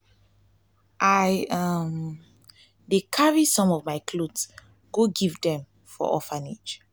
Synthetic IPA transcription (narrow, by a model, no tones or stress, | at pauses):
ʔajʌm | dekʰaɹisɔ̃mɔvmaɪkʰlods | ɡ̥oɡivdɛ̃m | fɔ̰ʔɔ̰fanid͡ʒ